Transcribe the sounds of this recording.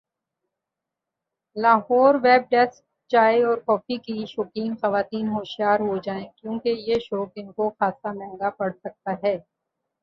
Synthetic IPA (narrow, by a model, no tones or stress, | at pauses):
laːɦɔːɾʋɛːb̚ɖɛsk̚ | t͡ʃaːeɔːɾkɔːfikiʃɔkiːnxɐʋaːt̪iːnɦoːʃijaːɾɦod͡ʒaːẽkjõːkejeʃɔːkɪnkoxaːsamɛ̃ːŋɡapɐɽsɐk̚t̪aɦɛː